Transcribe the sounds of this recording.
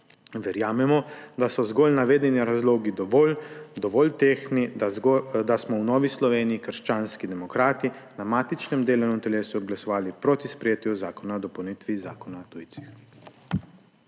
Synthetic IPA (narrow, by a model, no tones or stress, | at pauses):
ʋɛɾjaːmɛmɔd̪asɔzɡoːlnaʋeːd̪ɛniɾazloːɡid̪ | d̪ɔʋɔlt̪eːxni | d̪asmɔwnɔːʋislɔʋeːniikəɾʃt͡ʃaːnskid̪ɛmɔkɾaːt̪inamaːt̪it͡ʃnɛmd̪eːlɛnɔ̃mt̪ɛleːsuɡlasɔʋaːlipɾoːt̪ispɾɛjeːt̪juzaːkɔnad̪ɔpɐwniːt̪ʋiza̰ːkɔnat̪ujt̪si̥x